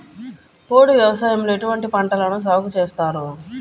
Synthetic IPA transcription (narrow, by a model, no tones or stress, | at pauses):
poːɽuʋjɛʋɐsaːjɐmleʈuʋɐɳʈipɐɳʈɐlɐnus̬aːkut͡ʃeːst̪aːɾu